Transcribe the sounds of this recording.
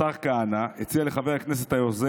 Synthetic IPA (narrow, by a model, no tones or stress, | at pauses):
aʁkaːnaet͡sialeχaveʁaknes̬et̪hajoze